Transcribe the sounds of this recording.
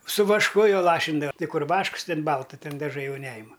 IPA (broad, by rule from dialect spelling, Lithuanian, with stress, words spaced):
sʊ ʋɐʃˈkʊ joː ˈlˠɑːʃʲɪndɐʋɐ ˈtʲɪ ˈkʊr ˈʋɐʃks ˈtʲɪn ˈbɐlˠtɐ ˈtʲɪn dɐˈʒɐɪ ˈjɛʊ ˈnʲæːjɪmɐ